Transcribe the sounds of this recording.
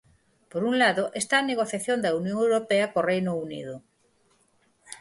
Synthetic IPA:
poɾuŋlaðoʔest̪aːneɣoθjaθjond̪ɐunjõŋewɾopeɐkorejnounḭðʊ

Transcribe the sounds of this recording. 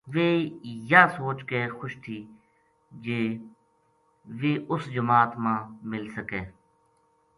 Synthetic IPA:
ʋeːjaːsoːt͡ʃkeːxʊʃt̪ʰiː | d͡ʒeː | ʋeːʔʊsd͡ʒəmaːt̪mãːmɪlsəkeː

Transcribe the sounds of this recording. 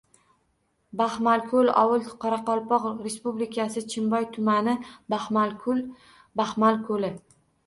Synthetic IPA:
bahmalkʰolɒ̰wʊlˠqʰɑɾɑqɒlˠpɒqɾe̞spublɪkʲʰasɪt͡ʃʰɪmbɒjt̪ʰʊmanɪbahmalkʰʊl | bahmalkʰɵlɪ

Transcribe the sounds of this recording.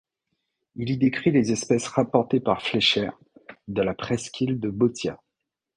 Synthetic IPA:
ilid̪ekχilezɛspɛsʁapɔʁt̪epaʁflɛʃɛʁ | d̪əlapχɛskʲʰild̪əbot̪ja̰

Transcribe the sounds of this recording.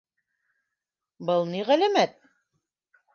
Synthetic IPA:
bɤlˠniʁælæmæt̪̚

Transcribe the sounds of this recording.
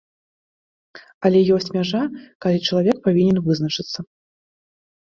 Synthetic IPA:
ɐlʲɛjɔsʲt͡sʲmʲaʐakalʲit͡ʂɐlˠavʲɛk̚pavʲinʲɛnvɨznɐt͡ʂɨt̪sːɐ

